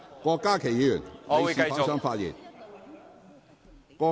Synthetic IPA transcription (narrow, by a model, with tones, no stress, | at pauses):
kɔ˧kːaː˥kʰe˨˩ji˨˦˥jy̰˨˩n˨ssɐ˥ŋfaː˧t̚jḭ˨˩n | kɔ˧